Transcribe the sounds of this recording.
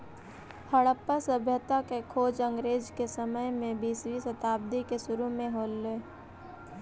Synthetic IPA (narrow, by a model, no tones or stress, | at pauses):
həɽəpːəsəbʱjət̪akekʰoːd͡ʒə̃ŋɡɾeːd͡ʒkesəməjmẽbiːswisət̪aːb̚d̪ikesʊɾumẽɦoːlːeː